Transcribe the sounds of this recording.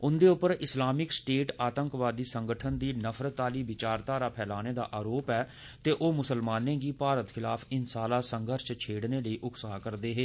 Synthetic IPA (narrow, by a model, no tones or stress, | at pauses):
ʊnd̪eːʊpəɾɪslaːmɪksʈeːʈaːt̪ə̃ŋkʋaːd̪iːsəŋɡəʈʰənd̪iːnəpʰɾət̪ːaːliːʋɪt͡ʃaːɾt̪aːɾaːpʰɛːlaːneːd̪a̰ːʔaːɾoːpɛː | t̪eːʔoːmʊsəlmaːnẽːɡiːpaːɾət̪xʰɪlaːpʰɪnsaːlaːsəŋɡʱəɾʃt͡ʃʰeːɽneːləiːʔʊksɦakəɾd̪eːɦeː